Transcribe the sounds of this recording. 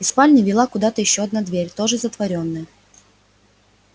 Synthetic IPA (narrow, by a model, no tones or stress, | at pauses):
ɪspalʲnʲɪvʲɪlˠakʊd̪at̪əjɪɕːoɐd̪̚nad̪vʲeɾʲt̪o̞ʐɨzət̪vɐɾʲonːɨjə